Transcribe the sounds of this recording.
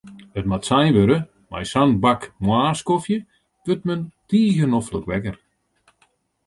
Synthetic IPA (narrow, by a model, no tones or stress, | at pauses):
ətmatsɛjnʋøɾə | ma̰jsanbakmwaːskofjə | ʋøt̚məntiːɣənɔfləkʋɛkər